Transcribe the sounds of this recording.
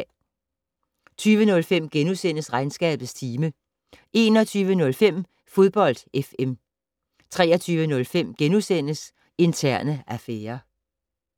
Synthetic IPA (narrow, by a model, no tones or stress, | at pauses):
t͡sʰyːʋənɔ̽lfem̰ɡ̥enusen̰əsʁɑ̈ɪnsɡ̥ɛ̰ːb̥ð̩ˠst͡sʰiːmə | ʔe̝ːnɒt͡sʰyːʋənɔ̽lfem̰ | fo̝ðˠb̥ɒ̽l̰d̥efem | t͡sʰʁɛːɐt͡sʰyːʋənɔ̽lfem̰ɡ̥enusen̰əs | e̝nt͡sʰæɐ̰nəæfeːɐ